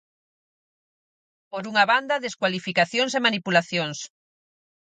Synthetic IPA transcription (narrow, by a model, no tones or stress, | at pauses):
poɾuŋaβand̪ɐðeskwalifikaθjoŋsemanipulaθjoŋs